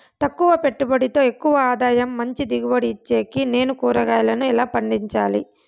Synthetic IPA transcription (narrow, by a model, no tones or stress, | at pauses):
t̪ɐkːuʋɐpe̞ʈːubɐɽit̪o̞ːe̞kːuʋɐaːd̪aːjɐmːɐɲt͡ʃid̪iɡubɐɽiːt͡ʃːe̞ːkine̞ːnukuːɾɐɡaːjlɐnuilaːpɐɳɖiɲt͡ʃa̰ːlḭ